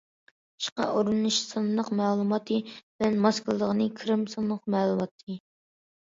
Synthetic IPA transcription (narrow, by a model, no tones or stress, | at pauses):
ʃqɑ̰ʔuɾunuʃsɨnːəqmæːlˠumɑt̪ʰɨb̥ɪlɛnmɑsklˠd̪əʁənɨkʲʰɾɪmsɨnːəqmɛːlˠumɑt̪ʰːɨ